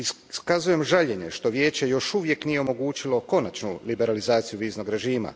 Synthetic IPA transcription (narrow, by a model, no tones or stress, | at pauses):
i | skazuje̞mʒaʎe̞ɲe̞ʃt̪o̞ʋje̞ːt͡ɕe̞jo̞ʃuʋje̞knije̞omo̞ɡuːt͡ʃilˠo̞ko̞nat͡ʃnulibe̞ɾalizaːt̪sijuʋiːzno̞ɡɾe̞ʒiːma̰